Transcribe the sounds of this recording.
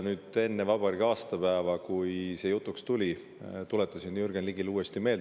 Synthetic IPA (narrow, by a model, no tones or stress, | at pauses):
nyːd̪̥e̞nːe̞vɑb̥ɑɾiɡɑːst̪ɑpæːvɑkujse̞jut̪ːˑukst̪ulʲi | t̪uleɛt̪ːˑɑsinjurɡ̥enliɡ̥iluːest̪ime̞ːl